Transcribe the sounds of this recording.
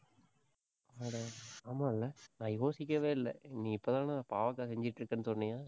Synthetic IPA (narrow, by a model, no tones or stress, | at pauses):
aːɽaaːmaːɪlːɛnãːjoːsɪk̬ːɾɐʋeːɪlːɛ̰nĩːɪpːoːt̪ãːnaaːpaːʋɐkːasɛɲd͡ʒɪʈːɪɾɯkːɐnːɯsɔnːɪjaː